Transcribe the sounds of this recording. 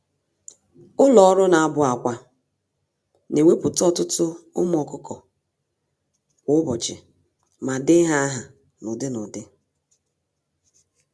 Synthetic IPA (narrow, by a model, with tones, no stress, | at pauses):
ʊ˦lɔ˨ɔ˦ɾʊ˦na˨a˦bʊ˦a˨kʷa˦ | ne˨we˦pʊ˨tɔ˦tʊ˦tʊ˦ʊ̰˦m˦ɔ˨kʊ˦kɔ˨ | kʷʊ˦bɔ˨t͡ʃɪ˨ | ma˨dɪ˦ɦa˦ɦa˨ | nʊ˨dɪ˦nʊ˨dɪ˦